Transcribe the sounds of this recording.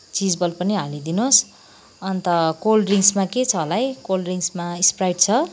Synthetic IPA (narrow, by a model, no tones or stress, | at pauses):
t͡sid͡zbʌlpʌniɦalid̪inos | ʌnt̪ʌkolriŋsmaket͡sʰʌɦolajkolriŋsmaisprajɖt͡sʰʌ